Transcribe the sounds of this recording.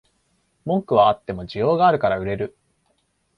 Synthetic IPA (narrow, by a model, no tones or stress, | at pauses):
mõ̞ŋkɯ̟β̞aːt̪ːe̞mo̞d͡ʑijo̞ːɡaːɾɯ̟kaɾaɯ̟ɾe̞ɾɯ̟